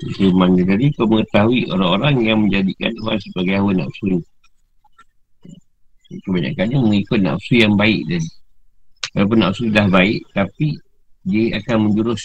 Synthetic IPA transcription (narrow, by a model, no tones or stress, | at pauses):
it̪umanat̪adikaməŋət̪aɦuiʔo̰ɾaŋoɾaŋjaŋməɲd͡ʒadika̰nfasəbaɡajawana̰ʔsuni | kəbaɲa̰kanɲaməŋikʊt̪̚na̰ʔṵsijaŋbaɪʔ̚dadi | wadap̬ʊnaʔpsidahbaɪʔt̪api | diəakanmə̃ɲd͡ʒuɾʊs